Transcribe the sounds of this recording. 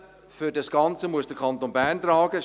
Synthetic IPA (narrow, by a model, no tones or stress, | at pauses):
fʏdɑsɡ̥ɑnt͡səmuəsd̥əkʰɑnt̪onbæɐntrɑːɡ̥ə